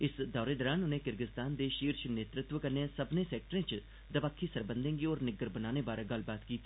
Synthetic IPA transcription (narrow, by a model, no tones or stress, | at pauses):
ɪsd̪ɔːɾeːd̪əːɾaːnʊnẽːkɪɾɡɪst̪aːnd̪eːʃiːɾʃneːt̪ɾɪt̪ʋəkəɾneãːsəbnẽːsɛːk̚ʈəɾẽːt͡ʃ | d̪əʋaːkʰːiːsəɾbənd̪ẽːŋɡiɔːɾnɪɡəɾbənaːneːbaːɾẽːɡəlbaːt̪kiːt̪ʰiː